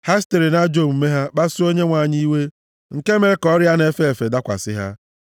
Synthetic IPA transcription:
ha˦ste˨ɾi˨na˦d͡ʒo˦˨m̩˨me˦ɦa˦k͡pa˦su˦o˦ɲe˦ŋʷa˨ɲi˦we˦ | ŋ̩˨ke˦me˨ɾe˨kɔ˦ɾja˦ne˦fe˦e˨fe˨da˦kʷa̰˨sɪ˦ɦa̰˦

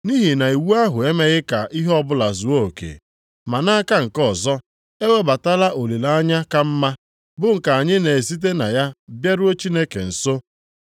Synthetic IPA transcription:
ni˦ɦi˨na˨i˨wu˦a˦ɦʊ˨e˦me˦ɣɪ˦ka˨ʔi˦ɦɔ˦bʊ˦la˨zʊ˨wo˦o˨kḛ˨ | ma˨na˦ka˦ŋ̩˨kɔ˨zɔ˦ | e˦we˦ba˨ta˦la˦ʔo˨li˨la˦a˦ɲa˦ka˦m̩˦ma˦ | bʊ˦ŋ̩˨ka˨a˨ɲɪ˦ne˨e˨si˦t̬e˦na˨ja˦bja˦ɾʊ˦o˦t͡ʃi˦ne˦kḛ˨n̩˨so˦

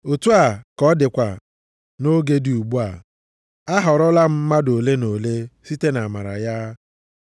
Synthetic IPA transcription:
o˨tu˦a˨kɔ˦dɪ˨kʷa˨ | no˦ɡe˦di˨u˨ɡ͡bu˦a̰˨ | a˦ɦɔ˨ɾɔ˦la˦m̩˦ma˦do˨le˦no˨le˦si˦te˦na˨ma˨ɾa̰˨ja˦

